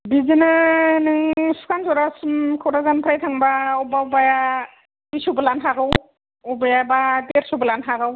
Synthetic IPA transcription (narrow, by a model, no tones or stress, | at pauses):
bizinɯnɯŋsu̥kʰansɔɾasumkʰawɾazanpʰɾajtʰaŋbaɔbaɔbaja | bisubɯlanɦaɡɯw | ɔbajabadeɾsubɯlanɦaɡɯw